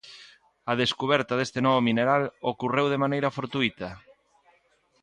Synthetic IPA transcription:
ɐðeskuβ̞ɛɾt̪aðest̪enɔβomineɾalokurewðemanejɾɐfoɾt̪uit̪ɐ

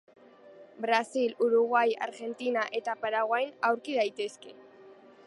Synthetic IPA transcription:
bɾasiluɾuɣwaja̰ɾɣe̞nt̪inaʔe̞t̪apaɾaɣwajnawɾkið̞ajt̪e̞ske̞

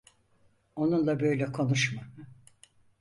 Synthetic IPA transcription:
o̞nunlˠabø̞jlʲɛkʰo̞nuʃmam

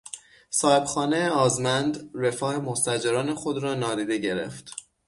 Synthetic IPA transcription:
sɒːeb̥xɒːnejeɒːzmænd̪ɾe̞fɒːhemost̪æd͡ʒeɾɒːne̞xo̞d̪ɾɒːnɒːd̪iːd̪e̞ɟe̞ɾe̞̰ft̪

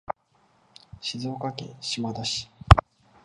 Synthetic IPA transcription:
ɕizoːkakḛ̃ɕimad̪aɕi̥

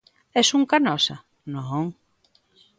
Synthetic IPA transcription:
ɛsuŋkanɔsa | nõŋ

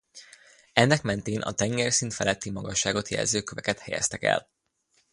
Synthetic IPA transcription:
ɛnːɛkmɛnt̪eːnʔɒ̰t̪ɛŋɡɛrsint̪fɛlɛt̪ːimɒɡɒʃːaːɡo̞t̪jɛ̰lzøːkøvɛkɛt̪hɛjɛ̰st̪ɛkɛ̰l

